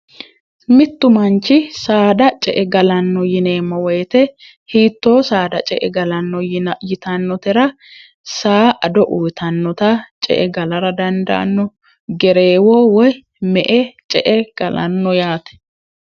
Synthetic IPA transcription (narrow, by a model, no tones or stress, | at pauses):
mɪt̪ːʊmɐnt͡ʃːɪsaːd̪ɐt͡ʃʼɛʔɛɡɐlɐnːɔjɪne̞ːmːɐwɔjt̪ɛ | hiːt̪ːo̞ːsaːd̪ɐt͡ʃʼɛʔɛɡɐlɐnːɔjɪt̪ɐnːɔt̪ɛɾɐ | saːʔɐd̪ɔʔuːt̪ɐnːɔt̪ɐt͡ʃʼɛ̰ʔɛɡɐlɐɾɐd̪ɐnd̪ɐ̰ʔɐ̰nːɔ | ɡɛɾe̞ːwoːwɔj | mɛʔɛt͡ʃʼɛʔɛɡ̥ɐlɐnːɔjaːt̪ɛ̥